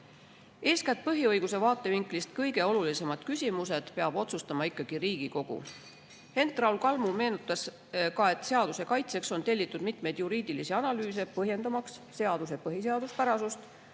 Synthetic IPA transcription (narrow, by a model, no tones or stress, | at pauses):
e̞ːskært̪̚pɤɦiɤjɡ̥use̞vɑːt̪ːˑe̞viŋklist̪kɤjɡ̥e̞o̞lulise̞mɑd̪̥kysʲimuse̞d̪̥pe̞ɑb̥o̞t̪sust̪ɑmɑikːɑɡ̥iɾiːɡ̥iko̞ɡ̥ṵ | he̞nt̪ˑrɑwlkɑlmume̞ːnut̪ːˑɑs | kɑe̞t̪ːˑse̞ɑd̪̥use̞kɑjt̪se̞kso̞nt̪e̞lʲːit̪ːˑud̪̥mit̪me̞jd̪̥juɾiːd̪ilisiɑnɑlyːse̞pɤɦje̞nd̪ɑmɑksːe̞ɑd̪̥use̞pɤɦis̬e̞ɑd̪̥uspæɾɑsust̪